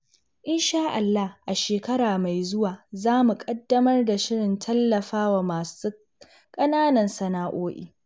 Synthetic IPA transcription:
ʔɪ˦nʃaː˦ʔa˨lːa˦hʔa˨ʃeː˨kɐ˦ɽaː˨ma˨jzʊ˦waː˨zaː˦mu˨kʼɐ˦dːɐ˦mɐ˦rda˨ʃɪ˦ɽɪ˨ntʰɐ˦lːɐ˨ɸaː˦waː˨maː˨su˦ | kʼɐ˦naː˦nɐ˨nsɐ˨naː˦ʔoː˦ʔḭː˨

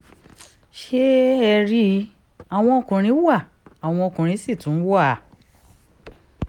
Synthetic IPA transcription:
ʃe˦ɛ˧ɾi˦ | a˨w̃ɔ̃˧o˧kũ˨ɾ̃ĩ˨˦wa˦˨ | a˨w̃ɔ̃˧o˧kũ˨ɾ̃ĩ˨˦si˦˨tũ˨˦n̩˦wa˦˨

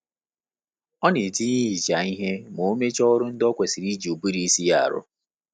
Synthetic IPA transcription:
ɔ˦ne˨ti˦ɲi˦i˨d͡ʒa˨i˦ɦe˦mo˨o˦me˦t͡ʃɔ˦ɾʊ˦n̩˦dɔ˦kʷe˨si˨ɾi˦d͡ʒi˨o˨bu˦ɾi˦si˦ja˦a̰˨ɾʊ̰˦

